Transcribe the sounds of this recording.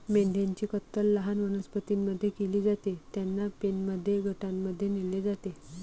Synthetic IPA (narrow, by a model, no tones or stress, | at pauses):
meɳɖʱjaɲt͡ɕiːkət̪ːəlːəɦanʋənəspət̪imːəd̪ʱːjekeliːd͡zat̪et̪janːapenməd̪ʱːjeɡʱəʈamːəd̪ʱːjenilːed͡zat̪e